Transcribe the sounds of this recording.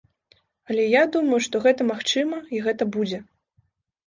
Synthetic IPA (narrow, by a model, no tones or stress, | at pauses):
ɐlʲɛjad̪umɐjuʂt̪ɔɣɛt̪ɐmaxt͡ʂɨmɐiɣɛt̪ɐbud͡zʲɛ